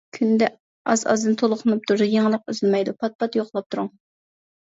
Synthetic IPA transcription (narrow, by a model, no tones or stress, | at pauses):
kʲʰynd̪ɛ | ɑzɑ̰zd̪ɨnt̪ʰolˠʊqʰʊnɨp̚t̪ʰuɾujeŋəlˠəq̚øzɪlmɛjd̪upʰɑt̪̚pɑt̪joqlˠɑp̚t̪ʰuɾuŋ